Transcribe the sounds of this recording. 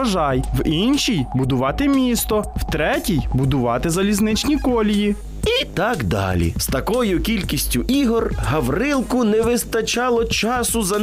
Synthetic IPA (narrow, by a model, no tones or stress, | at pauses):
ɐʒɑjʋinʃʲijbʊd̪ʊʋɑt̪ɪmʲist̪ɔwt̪ɾɛtʲijbʊd̪ʊʋɑt̪ɪzɐlʲiznɪt͡ʃnʲikɔlʲiji | it̪ɑkd̪ɑ̰lʲḭst̪ɐkɔjʊkʲilʲkʲisʲtʲʊʔiɦɔrɦɐʋrɪlˠkʊnɛʋɪst̪ɐt͡ʃɑlˠɔt͡ʃɑsʊzɐ